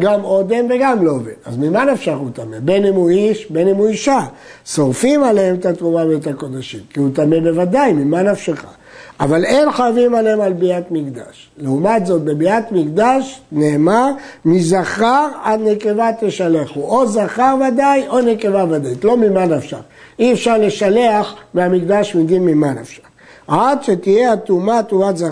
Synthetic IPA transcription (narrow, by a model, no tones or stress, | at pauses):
ɡamo̞d̪emve̞ɡamlovḛnazmimanafʃaʁut̪amebe̞nimuiʃbenimuiʃa | so̞ʁfimaleemt̪at̪ʁumavet̪ako̞d̪aʃimkiut̪amebe̞vad̪ajmimanafʃeχa̰ | avale̞nχojavimaleemalbiat̪mikd̪a̰ʃ | leumat̪zo̞t̪̚be̞biat̪mikd̪aʃneːmamizaχaʁad̪ne̞ke̞vat̪eʃaleχuʔo̞zaχaʁvadajo̞neke̞vavad̪ait̪lomimanafʃa̰ʁ | iefʃaʁle̞ʃale̞aχmeamikd̪aʃmidinmimanafʃḁ | adʃet̪ije̞at̪umat̪umatza